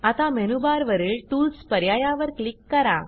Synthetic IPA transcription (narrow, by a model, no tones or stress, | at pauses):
at̪amɛnubaɾʋəɾiːɭʈuːlspəɾjajaʋəɾklikːəɾa̰